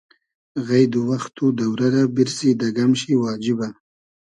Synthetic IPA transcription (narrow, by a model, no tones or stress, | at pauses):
ɣajd̪uwaxt̪ud̪awɾaɾabɪɾsid̪aɡamʃiwɑːd͡ʒɪba